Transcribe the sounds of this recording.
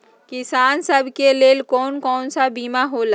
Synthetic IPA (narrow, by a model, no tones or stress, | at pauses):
kɪsaːnsəbʱkeleːlkɔːnkɔːnsabiːmaɦoːla